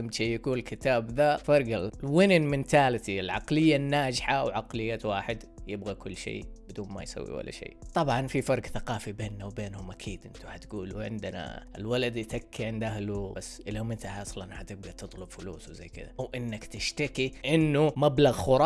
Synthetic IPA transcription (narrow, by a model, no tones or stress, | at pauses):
amʃiːjakuːnlkɪt̪aːbðafɑɾˤɡalwɪnɪnmɪnt̪aːlt̪iɪlʕɑqlɪjːanːaːd͡ʒħawʕɑqlɪjːawaːħɪd̪jɪbɣakʊlːʃḛːbɪd̪uːnma̰jsa̰wːḭwa̰lːa̰ʃḛːt̪ˤɑbʕɑnfifɑɾˤɡθaqɑːfibeːnːawbeːnhʊmʔakʰiːd̪ʔɪnt̪uħat̪ɡuːluʕɪ̰nd̪na̰ʔɪlwalad̪it̪akʰːiʕɪnd̪ʔahlubasːʔɪlːʊmɪnt̪ahɑsˤlanħat̪ɪb̚ɡat̪ɨt̪ˤlʊbfʊlṵːswza̰jːkɪ̰ða̰wʔɪnːakt̪ɪʃt̪akiʔɪnːumablaɣxʊɾˤɑ